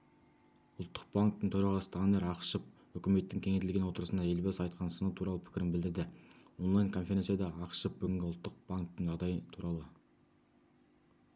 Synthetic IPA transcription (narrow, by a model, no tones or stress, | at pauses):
ʊlˠt̪ːə̥q̚blˠaŋk̚t̪ːəɴt̪ʰoɾɑʁɑsə̥t̪ʰɑneɾɑqʃəp̚ | ʏkʲɪme̞t̪ːɪŋkʲʰe̞ŋet̪ɪlɡʲe̞nwo̞t̪əɾəsənɑe̞lbezɑjt̪qʰɑnsənəwt̪ʰuɾɑlˠəpʰɪ̥kʲɪɾɪnbɪld̪ɪɾd̪ɪwo̞nlˠɑjnkʰo̞nfeɾʲe̞nsjad̪ɑɑqʃəp̚bʏɡʲɪŋɡʲɪʊlˠt̪ːəq̚baŋk̚t̪əɴʒɑʁd̪ɑjət̪ʰuɾɑlˠə